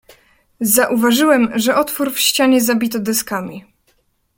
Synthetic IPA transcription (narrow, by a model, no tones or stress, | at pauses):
zaʔuvaʐɘwɛmʐɛʔɔt̪fuɾfɕt͡ɕaɲɛzabʲit̪ɔd̪ɛskamʲi